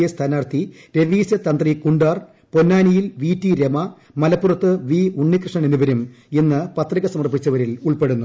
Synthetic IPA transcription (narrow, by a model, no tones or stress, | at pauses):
ɐst̪ʰaːnaːrt̪ʰi | ɾe̞ʋiːsɐt̪ɐnd̪rikuɳɖaːr | po̞nːaːnijilʋiːtːiɾemɐ | mɐlɐpːurɐt̪ːɨʋiuɳːikrɨʂɳɐneniʋɐɾum | enːɨpɐt̪riɣɐsɐmɐrpit͡ɕːɐʋɐɾiluɭpe̞ɽunːu